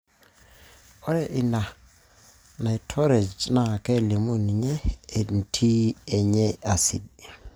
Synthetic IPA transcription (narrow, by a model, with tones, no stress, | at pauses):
ɔ˦ɾɛ˦˨ʔi˨na˨ | na˨i˨tʰɔ˦ɾe˨d͡ʒna˨kɛ˦li˨mu˦ni˨ɲɛː˦˨n˨tʰi˦ɛ˨ɲɛ˦a˨sḭ˨d̚